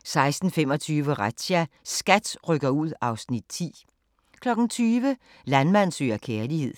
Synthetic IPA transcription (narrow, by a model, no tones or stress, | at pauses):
sɑ̈ɪsd̥n̩fem̰ɒ̽t͡sʰyːʋəʁad̥ɕæsɡ̥æd̥ʁœɡ̥ɐuð̰ˠɑ̈ʊsnid̥̚t͡sʰḭː | kʰlɒ̽ɡ̥n̩t͡sʰyːʋə | lænmæn̰sø̰ːɐkʰeːɐlihe̝ð̞̰ˠ